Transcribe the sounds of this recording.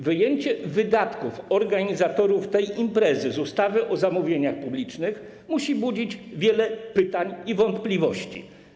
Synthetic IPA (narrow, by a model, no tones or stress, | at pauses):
vɘjeɲt͡ɕɛvɘd̪at̪kufɔɾɡaɲizat̪ɔɾuft̪ɛjimpɾɛzɘzust̪avɘʔɔzamuvʲjeɲaxpublʲit͡ʂnɘx | muɕibud͡ʑid͡ʑvʲjɛlɛpɘt̪aɲivɔnt̪plʲivɔɕt͡ɕḭ